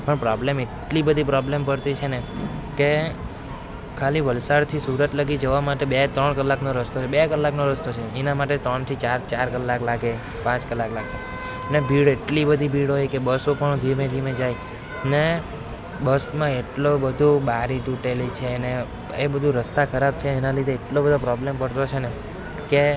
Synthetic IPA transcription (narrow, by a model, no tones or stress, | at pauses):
pəɳpɾɔblemeʈlibəd̪ʱipɾɔblempəɽt̪it͡ʃʰeneke | kʰaliʋəlsaɽt̪ʰisuɾət̪ləɡid͡ʒəʋamaʈebet̪ɾəɳkəlːaknoɾəst̪oebekəlːaknoɾəst̪ot͡ʃʰeɛnamaʈet̪ɾəɳt̪ʰit͡ʃaɾt͡ʃaɾkəlːaklaɡe | pãt͡ʃkəlːaklaɡe | nebʱiɽeʈlibəd̪ʱibʱiɽɦojkebəsopəɳd̪ʱiɾmẽd͡ʒ̪ʱimẽd͡ʒaj | ne | bəsmãeʈlobəd̪ʱubaɾiʈuʈelit͡ʃʰene | ebəd̪ʱuɾəst̪akʰəɾab̚t͡ʃʰeːnalid̪ʱeːʈlobəd̪ʱopɾɔblempəɽt̪ot͡ʃʰene | ke